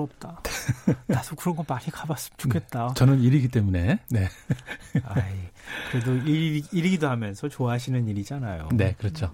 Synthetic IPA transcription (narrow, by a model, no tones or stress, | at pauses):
ʌp̚t͈a | asʰʌkɯɾʌnɡʌmaɲikabas͈ɯ̥mt͡ɕ͈u̥kʰe̞t̚t͈at͡ɕʌnɯniɾiɡit͈e̞mune̞ne̞ | aikɯɾe̞doiiɾiɡidoɦamjʌnsʰʌt͡ɕoaɕʰinɯniɾid͡ʑanajo̰ne̞kɯɾʌt͡ɕʰo